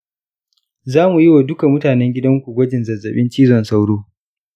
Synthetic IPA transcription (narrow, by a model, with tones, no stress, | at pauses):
zaː˦mu˨ji˦waː˨dʊ˦ka˨mʊ˦taː˨nɛ˦ŋɡʲɪ˦dɐ˦ŋkʷu˨ɡʷɐ˦d͡ʒɪ˨nzɐ˨zːɐ˨ɓɪ˦nt͡ʃiː˦zɔ˨nsa˦wɽoː˦